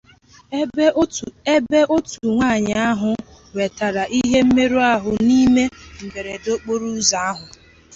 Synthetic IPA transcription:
be˦ʔo˦tu˨ŋʷa˦˨ɲɪ˨a˦ɦʊ˨ | we˨ta˨ɾa˨ʔi˦ɦe˦m̩˦me˦ɾu˦a˦ɦʊ˨ni˦me˦ŋ̩˨ɡe˨ɾe˨do˦k͡po˦ɾu˦za˨a˦ɦʊ˨

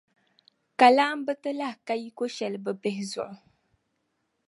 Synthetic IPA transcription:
ka˨laː˦m˦bɨ˦tɨ˦la˦hka˦ji˦ko˦ʃɛ˨lbɨ˨bɛ˦ɦɪ˨zʊ̰˨ʔʊ˨

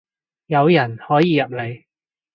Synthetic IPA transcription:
jɐ˨˧wjɐ˨˩nhɔː˨˥jiː˨˧jɐ˨p̚le˨˧j

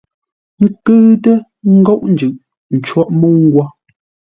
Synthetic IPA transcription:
ŋ̩˦kɨ˦tə˦ | ŋ̩˦ɡɔ˦ʔn̩˨d͡ʒʉ˨ʔ | n̩˨t͡ʃwa˦ʔmə˦ŋ̩˦ɡwa˦

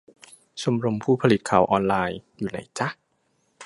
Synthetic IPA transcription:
t͡ɕʰo˧mɾo˧mpʰuː˥˩pʰa˧li˨˩t̪̚kʰaː˩˦wʔɔː˧nlaː˧jjuː˨˩na̰˧˥jt͡ɕa˦˥˩

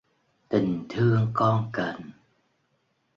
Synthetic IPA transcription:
t̪i˨˩ŋ̟t̪ʰɨ˧əŋkɔ˧nkə˨˧˩n

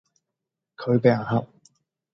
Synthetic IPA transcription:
kʰɵ˨˧ɥpe˨˧a˨˩ɦɐ˨p̚

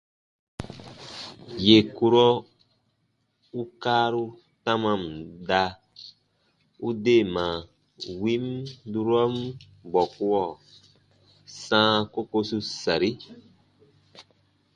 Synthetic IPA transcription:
je˨ku˧ɾɔ˦ | u˦kaː˦ɾu˦ | tã˦mã˧˨m˨da˧ | u˦de˦˨mã˨ | wi˦mdu˦ɾɔ˦m˦ | bɔ˨ku˦wɔ˦˨ | sãː˦ko˦ko˧su˦sa˨ɾi˦

